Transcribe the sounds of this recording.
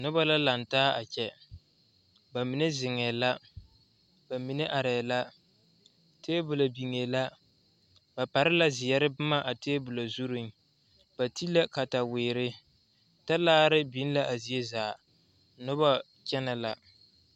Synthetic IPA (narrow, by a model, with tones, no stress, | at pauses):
nʊ˦ba˦la˦la˨ntaː˦a˨t͡ʃɛ˦ | ba˨mi˨nɪ˦zɪ˨ŋɛː˨la˦ | ba˨mi˨ne˦ʔa˨ɾɛː˨la˦ | tʰeː˦bʊ˨la˨bi˨ŋe˨la˦ | ba˨pa˨ɾɪ˦la˦zɪ˨jɛ˨ɾɪ˦bʊ˦ma˦ʔa˨teː˦bʊ˨la˨zu˦ɾu˦n | b̥a˨ti˦la˦ka˨ta˨weː˨ɾɪ˦ | ta˦laː˦ɾɪ˦bi˨˦n˦la˦ʔa˨zi˨e˦zaː˨˦ | nʊ˦ba˦ | t͡ʃɛ˦na˨la˨